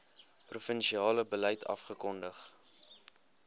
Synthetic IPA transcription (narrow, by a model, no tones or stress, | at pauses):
prufənʃiɑːləbələjtʰɐ̰fχəkɔndəχ